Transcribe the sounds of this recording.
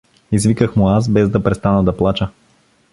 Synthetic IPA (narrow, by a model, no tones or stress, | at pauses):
izvikəxmʊas̬bɛzd̪ɐpɾɛst̪anəd̪ɐplˠat͡ʃə